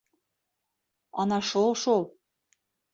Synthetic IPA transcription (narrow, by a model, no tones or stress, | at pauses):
ɑnɑʃolˠʃolˠ